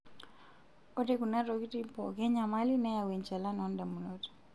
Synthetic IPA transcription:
o˦de˦ku˨na˦ɾɔ˨ki˦ti˦pɔ˨ɡɛ˦ɲa˨ma˦lina˦ja˨we˨ɲt͡ʃa˨la˦nɔ˨nda˨mu˨not

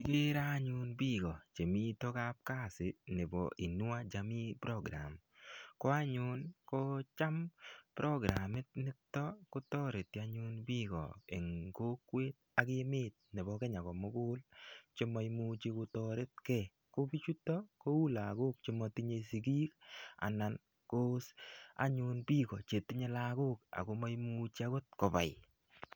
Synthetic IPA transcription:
i˨ke˦ɾa˦ɲʊ˦nbi˦ɡɔ˨t͡ʃe˨mi˦to˦ka˦p̚ka˦˨sɪ˨ne˨bɔ̰˨ʔi˨nʊ˦a˦d͡ʒa˨mi˦pɾɔ˦ɡɾa̰˨m | kɔ˦a˦ɲʊ˦nko˦t͡ʃa˦mpɾɔ˦ɡɾa˨mɪ˦t̪̚nɪ˦t̪ːɔ˦ko˦t̪ɔ˦ɾe˨t̪ja˦ɲʊ˦nbi˦ɡɔ̰˨ḛ˨ŋko˦kwe˦t̪̚ | a˨kɪ˦mɪː˦t̚ne˨bɔ˦kɛ˦ɲa˨kɔ˨mʊ˦kʊː˦lt͡ʃɪ˦mɔ˦jmu˦t͡ʃi˦ko˧tɔ˦ɾe˦t̚kɛ˦˨ | ko˦pi˦t͡ʃu˦tːɔ˦ko˦u˦la˨ko˦k̚t͡ʃɪ˦mɔ˧ti˦ɲe˦si˨ɡiː˦ka̰˨na˨n | ko˦sa̰˦ɲʊ˧npi˦kɔ˨t͡ʃe˨tːi˦ɲe˦la˦ko˦ka̰˨ko˧ma˦jmu˦t͡ʃi˦a˦kʊ˦t̚ko˨pa̰˨ɪ

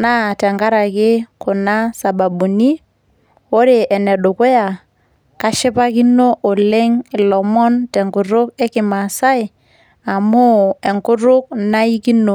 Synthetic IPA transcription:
na˦tɛ˨ŋɡa˦ɾa˨kɪ˦kʊ˨na˦sa˨ba˨bu˨ni˦ | o˦ɾe˨ʔɛ˨nɛ˨ɗo˨kʊ˦ja˨ | ka˦ʃɪ˦pa˦ki˦no˦ʔo˨le˦ŋ˨lɔ˨mɔ˦ntɛ˨ŋku˨ɾʊ˦ke˦kɪ˨ma˨sa˦i˨ | a˨mʊ˦e˨ŋkʊ˦ɾʊ˦k̚na˦i˦ki˦no˨

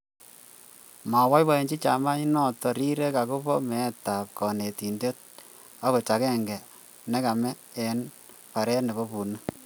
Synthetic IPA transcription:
ma˨wa˦jba˨e˨ɲd͡ʒi˦t͡ʃa˨ma˦i˦nɔ˦˨tɔ˨ɾi˦ɾe˦ka˨ku˦pɔ˦mɛ˨ta˨p̚kɔ˨ne˨ti˨nde˦t̚ | a˦ko˨t͡ʃa˨kɛ˦ŋɡɛ˨ | nɛ˦ka˨mɛ˦ | ɛ˨n | pa˨ɾɛ˦ne˨bɔ˦pu˨nə˦

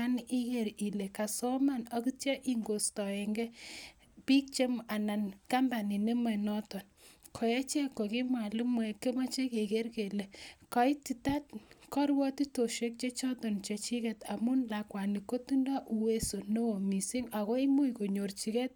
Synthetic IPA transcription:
a˦ni˦ke˦˨ɾi˨le˨ka˨sɔ˦ma˦na˦ki˦tjɛ˦ʔi˦ŋɡo˨stɔ˨e˨ŋɡɛ˦ | pi˦k̚t͡ʃe˦ma˨na˨nka˦mba˨ni˨ne˦mɛ˨nɔ˦tɔ˨nkʰɔ˨je˦t͡ʃɛ˦kːo˨ki˦mwa˨li˦mwɛ˨ke˦ma˦t͡ʃe˦ke˨ke˦ɾke˨le˨ka˨i˦ti˨ta˦t̚kɔ˦ɾwɔ˦ti˦to˨ʃe˦k̚t͡ʃe˦t͡ʃɔ˦tɔ˨nt͡ʃe˨t͡ʃi˦kɛ˨ta˨mu˦nla˨kwa˨ni˨ko˦tu˦nda˦ʔu˨we˦so˨no˦o˨mi˨si˦ŋa˨ko˦i˦mu˦jko˨ɲo˨rt͡ʃi˦ke˦t̚

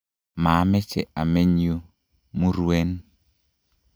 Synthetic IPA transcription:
maː˨˦mɛ˦t͡ʃɛ̰˨a˨me˦ɲi˦o˦ | mu˦ɾwe˦n

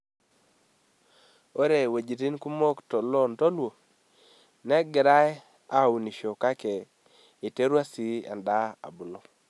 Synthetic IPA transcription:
o˦ɾe˨we˨d͡ʒi˨ti˦nku˦mo˦ktɔ˨lo˦nto˦lwo˨ | nɛ˦ɡɪ˨ɾa˦ɛ˦ | a˦˨u˨ni˨ʃo˨ka˦kɛ˨ | i˨te˦ɾwa˦si˦a̰˨nda˦a̰˨bʊ˨lo˦

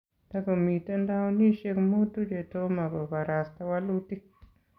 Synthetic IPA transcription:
ta˦ɡo˨mi˨ta˦nda˦wni˦ʃe˧kmu˦tu˦d͡ʒe˨to˦ma˨ɡo˨ka˨ɾa˨sta˦wa˦lu˦ti˦k

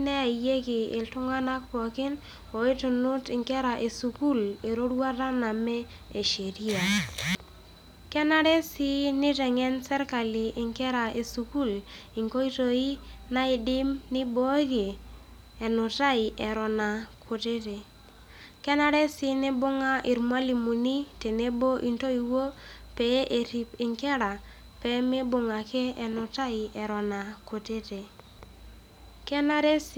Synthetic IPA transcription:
nɛ˦a˨je˦kɪ˨ɪ˨ltʊ˦ŋa˦na˦k̚pɔ˨kɪ˦n | o˨e˦tu˨nʊ˦tɪ˨ŋkɛ˦ɾa˨ʔe˨su˨ku˦le˨ɾo˦dwa˦ta˦na˨mɛ˦ | e˨ʃe˨ɾi˦a˨ | kɛ˦na˦ɾɛ˦sɪ˦nɪ˦tɛ˨ŋɛ˦nsɛ˦ɾka˨lɪ˨ʔɪ˨ŋkɛ˦ɾa˨ʔe˨su˨ku˦˨lɪ˨ŋko˦i˦to˨i˦na˦i˨dɪ˦mnɪ˦bo˦kɪ˨ | ɛ˨nʊ˨ta˦i˨ʔɛ˨ɾɔ˨na˨kʰo˨te˦te˨ | kɛ˦na˦ɾe˦sɪ˦ne˦bʊ˦ŋa˦ʔi˨ɾmwa˦li˨mu˨ni˦te˨ne˦bo˦ʔi˨nto˦i˨wo˦pɛ˨˦ʔe˨ti˨pɪ˨ŋkɛ˦ɾa˨ | pɛ˨˦me˦bʊ˨ŋa˨keː˦˨nʊ˨ta˦i˨ɛ˨ɾɔ˨na˨ko˨te˦te˨ | kɛ˦na˦ɾe˦s

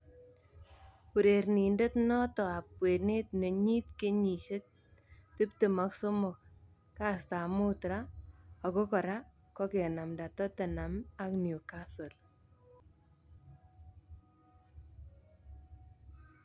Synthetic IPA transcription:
u˨ɾe˨ɾni˨nde˦tnɔ˦tɔ˨a˨p̚kwe˨neː˦tne˨ɲi˦tke˦ɲi˨ʃe˦t̚ | ti˦pte˨ma˨˦kso˦mʊ˨k̚ | ka˦sta˨mʊ˦tɾa˦ɔ˨ko˦kɔ˨ɾa˦ | kɔ˦ke˨na˨mda˨tɔ˦te˨na˨ma˨knjo˨ka˦so˨l

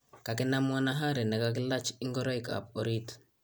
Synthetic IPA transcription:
ka˨kɛ˦na˦mwɔ˦na˦ɦa˦ɾɛ˨nɛ˨ka˨k̬ɪ˦la˦t͡ʃi˦ŋɡɔ˦ɾɔ˦jka̰˨po˨ɾi˦t

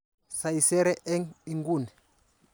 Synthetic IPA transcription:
sa˨i˨sɛ˦ɾɛ˦ʔɛ˦ŋi˦˨ŋɡu˦˨nɛ˨

